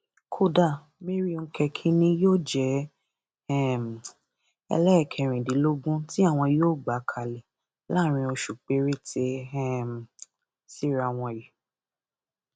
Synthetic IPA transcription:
kʰo˦da˦˨ | me˦ɾi˦˧ŋ̩˦kʰɛ˧kʰĩ˦nĩ˦joː˦˨d͡ʒɛ˨˦ | ɛ˦˨m˨ | ɛ̰˧lɛ˦ɛ˦˨kʰɛ˧˨ɾ̃ĩ˨dĩ˨˦lo˦ɡũ˦ti˦a˦˨w̃ɔ̃˧joː˦˨ɡ͡ba˨˦kʰa˨lɛ˨ | la˦˨ɾ̃ĩ˧o˧ʃu˨k͡pe˨˦ɾi˦tʰe˧ɛ˦m˨ | si˦˨ɾa˧˨w̃ɔ̃˧˨ji˨

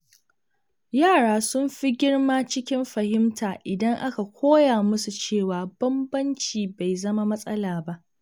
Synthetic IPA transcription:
jaː˦˨ɽaː˦sʊ˦mɸi˦ɡʲɪ˦ɽmaː˦t͡ʃɪ˦kʲɪ˦mɸɐ˨hɪ˦mtʰaː˨ʔɪ˨dɐ˦ŋʔa˦ka˨kʷʰoː˦jaː˨mʊ˦su˨t͡ʃeː˦˨waː˨bɐ˦mbɐ˦nt͡ʃiː˨ba˨jzɐ˦ma˦mɐ˦sʼɐ˦laː˨ba˦ʔ

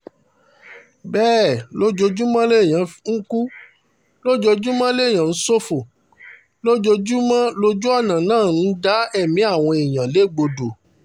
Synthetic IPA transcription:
bɛː˦˨lo˦d͡ʒo˧d͡ʒu˦mã˦le˦˨j̃ã˨ŋ̩˦ku˦ | lo˦d͡ʒo˧d͡ʒu˦mã˦le˦˨j̃ã˨n̩˦so˦fo˨ | lo˦d͡ʒo˧d͡ʒu˦mã˦lo˧d͡ʒu˦ɔ˦˨nã˨nãː˦˨n̩˦da˨˦ɛ˦˨mĩ˨˦a˦˨w̃ɔ̃˧i˨j̃ã˨le˨˦˨ɡ͡bo˧do˨

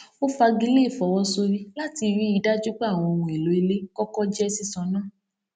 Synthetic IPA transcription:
o˦fa˧ɡi˧˦le˦˨fɔ˨wɔ˦so˧ɾi˦la˦ti˧ɾi˦i˧da˦d͡ʒu˦k͡pa˦˨w̃ɔ̃˧o˧wũ˨e˨lo˨e˧le˦kɔ˦kɔ˦d͡ʒɛ˦si˦˧˨sɔ̃˧˦nãː˦˨

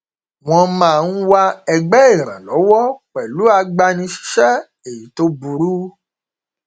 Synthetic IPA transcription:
w̃ɔ̃˧mãː˦˨˧n̩˦wa˧ɛ˧ɡ͡bɛ˦e˦˨ɾ̃ã̰˨lɔ˨˦wɔ˦k͡pɛ˨lu˨˦a˧ɡ͡ba˧nĩ˧ʃi̥˧ʃɛ˦ | e˨ji˨˦to˦bu˧ɾu˦

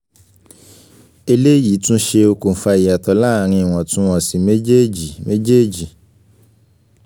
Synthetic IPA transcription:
e˧le˦ji˨˦tũ˦ʃe˧o˧ko˨n̩˨fa˧i˨ja˨tɔ˨˦la˦˨ɾ̃ĩ˧i˨w̃ɔ̃˨tũ˦ɔ˨si˨me˦d͡ʒe˦˨d͡ʒi˨me˦d͡ʒe˦˨d͡ʒi˨

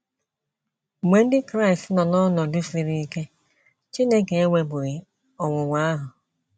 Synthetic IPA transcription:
mʷe˨n̩˦dɪ˦kɾa˦ɪ˨stnɔ˨nɔ˦nɔ˨dʊ˦fi˨ɾi˦i˦ke˦ | t͡ʃi˦ne˦ke˨e˦ŋʷe˨ɡ͡bʊ˨ɣɪ˨ | ɔ˨wʊ˨ŋʷa˦a˦ɦʊ˨

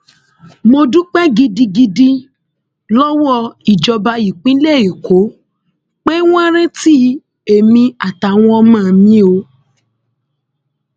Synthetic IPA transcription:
mo˧dũ˦k͡pɛ˦ɡi˧di˧ɡi˧di˧ | lɔ˦wɔ˦˧i˨d͡ʒɔ˧ba˧i˨k͡pĩ˦lɛ˦˨i˨ko˨˦ | k͡pe˦w̃ɔ̃˦ɾ̃ɛ̃˦ti˦ | e˨mĩ˧a˨ta˨w̃ɔ̃˧ɔ˧˦mãː˦˨mĩ˦o˧˦

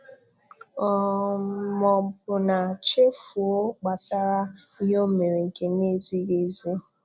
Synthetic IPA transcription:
ɔ˨ | mɔ˨bʊ˨na˨t͡ʃe˦fu˨o˦k͡pa˨sa˦ɾa˦i˦ɦo˦me˨ɾe˨ŋ̩˨ke˨˦ne˦zi˦ɣe˦ze˦

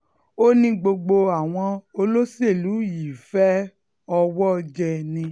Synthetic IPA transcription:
o˦nĩ˧ɡ͡bo˧ɡ͡bo˧a˨w̃ɔ̃˧o˧lo˦si˦e˦˨lu˨˦ji˨fɛ˦ | ɔ˧wɔ˦d͡ʒɛ˧nĩ˧

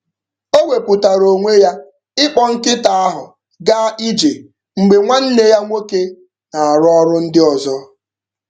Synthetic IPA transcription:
o˦wʷe˨pʊ˨ta˨ɾo˨ŋʷe˦ja˦ | ɪ˦k͡pɔ˦ŋ̩˦kɪ˦ta˨a˦ɦʊ˨ | ɡa˦i˦d͡ʒe˨ | ŋ͡m̩˨ɡ͡be˨ŋʷa˦n̩˦le˦ja˦ŋʷo˦ke˦ | na˨a˨ɾɔ˦ɾʊ˦n̩˦dɪ˦ɔ˨zɔ˦

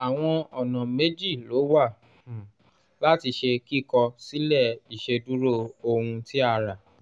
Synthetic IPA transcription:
a˨w̃ɔ̃˧ɔ˨nã˨me˦d͡ʒi˦˨lo˨˦wa˦˨ | la˦ti˧ʃe˧ki˦kɔ˧si˦lɛ˦˨i˨ʃe˧du˦ɾo˦˨o˧hũ˧ti˦a˧ɾa˨

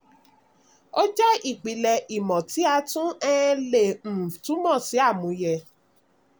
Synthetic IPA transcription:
o˦d͡ʒɛ˦i˦˨k͡pi˨˦lɛ˧ʔi˨mɔ̃˨ti˨˦a˧tũ˦ɛ˦le˦˨m̩˨tũ˨˦mɔ̃˦˨si˨˦a˦˨mũ˨˦jɛ˧

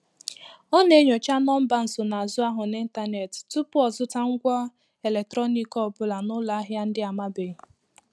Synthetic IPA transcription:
ɔ˦ne˦ɲo˨t͡ʃa˦nɔ˦m̩˦ba˦n̩˨sʊ˨na˨a˨zʊ˦a˦ɦʊ˨ni˦n̩˦ta˦ne˨ttʊ˦pʊ˦ɔ˨zʊ˦ta˦ŋ̩˦ɡʷɔ˦ | e˨le˨k̚tɾɔ˦ni˦kɔ˦˨bʊ˦la˨nʊ˦la˦a˦ɦja˦n̩˦dɪ˦a˨ma˦be˨

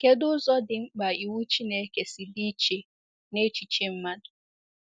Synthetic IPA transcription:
ke˦dʊ˦zɔ˦dɪ˨ŋ͡m̩˦k͡pa˨i˨wu˦t͡ʃi˦ne˨˦ke˨si˨di˦t͡ʃe˨ | ne˦t͡ʃi˨t͡ʃe˦m̩˦ma˦dʊ˨

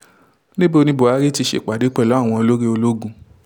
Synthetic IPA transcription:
nĩ˦bo˦˧nĩ˧bo˨a˨˦ɾi˦ti˧ʃḛ˨k͡pa˨de˨˦k͡pɛ˦˨lɔ˨˦a˦˨w̃ɔ̃˧o˧lo˦ɾi˦o˧lo˦ɡũ˦˧˨

